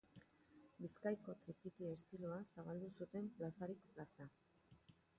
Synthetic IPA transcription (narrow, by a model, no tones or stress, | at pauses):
biskajko̞t̪ɾikit̪ie̞st̪iloasaβald̪usut̪e̞mplasaɾikplasa